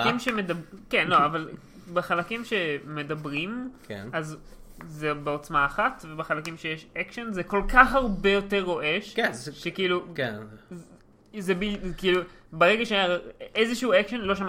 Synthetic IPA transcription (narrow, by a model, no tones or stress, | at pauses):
imʃemedabkenloaval | beχalakimʃe̞me̞dabʁimkḛnaz | zebeo̞t͡smaːχatvebeχalakimʃe̞jeʃekʃonzeko̞lkaχhaʁbejo̞teʁːo̞ʔeʃkʃekiiːluken | zebilkiiːlubeʁeɡaʃeajaezeʃiuekʃonlo̞ʃam